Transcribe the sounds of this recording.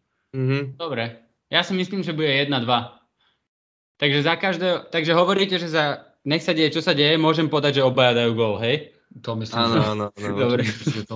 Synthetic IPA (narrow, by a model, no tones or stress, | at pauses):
m̩ɦ̩d̪̥ɔbɾɛ | jasimisliːmʒɛbuɟɛjɛd̪nad̪ʋa | t̪aɡʒɛzakaʒd̪ɛːɦɔt̪aɡʒɛɦɔʋɔɾiːcɛʒɛza | ɲɛxsaɟɛjɛt͡ʃɔsaɟɛjɛmʊɔʒɛmpɔd̪aɟʒɛɔbajad̪ajuːɡɔlɦɛj | t̪ɔmisliaːnaːnɔnd̪ɔbɾɛt̪